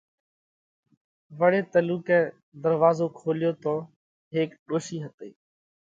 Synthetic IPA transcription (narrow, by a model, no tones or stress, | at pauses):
ʋəɽeːt̪əluːkɛ̃ː | d̪əɾʋaːzõːkʰoːljoːt̪oː | ɦeːkɗoːʃiːɦət̪ḛː